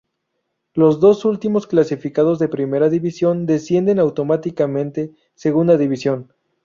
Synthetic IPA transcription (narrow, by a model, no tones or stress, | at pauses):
lo̞zðo̞sult̪imo̞sklasifikað̞o̞zðe̞pɾime̞ɾaðiβisjo̞nd̪e̞sje̞nd̪e̞nawt̪o̞mat̪ikamẽnt̪e̞ | se̞ɣund̪aðiβisjo̞n